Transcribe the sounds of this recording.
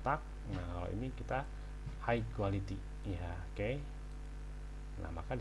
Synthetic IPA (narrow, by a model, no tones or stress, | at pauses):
t̪ak̚ | nahkalo̰ʔḭnikit̪a | haikualit̪i | ja | ke | nʔa̰hma̰kad